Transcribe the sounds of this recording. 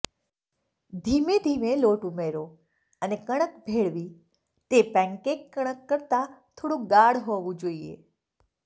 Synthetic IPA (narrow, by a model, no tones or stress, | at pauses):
d̪ʱimed̪ʱimeloʈumeɾo | ənekəɽ̃əkbʱeɭʋi | t̪epɛ̃ŋkekːəɽ̃əkːəɾt̪at̪ʰoɽũɡaɽɦɔʋũd͡ʒoiḛ